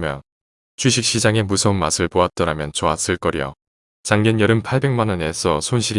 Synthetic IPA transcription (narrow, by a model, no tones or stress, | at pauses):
mjʌ̰ | t͡ɕɥiɕ̬ʰik̚ɕ͈id͡ʑaŋe̞musʰʌunmasʰɯɭpoat̚t͈ʌɾamjʌnt͡ɕʌas͈ɯɭk͈ʌɾḭjʌ̰ | t͡ɕaŋɡʌnjʌɾɯnpʰaɭbe̞ŋmanʌne̞sʰʌsʰonɕʰiɾi